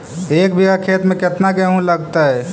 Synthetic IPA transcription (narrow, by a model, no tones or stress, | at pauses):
ek̚bʱiakʰet̪mẽket̪nakeɦũləɡt̪ə